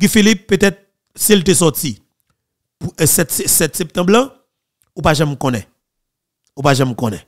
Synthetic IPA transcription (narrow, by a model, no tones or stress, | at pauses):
ɡĩfilipːøt̪ɛt̪̚ | silt̪esɔti | pusɛt̪sɛsɛt̪sɛp̚t̪ãblã | upaʒãmkõnɛ | upaʒãmkõnɛ̃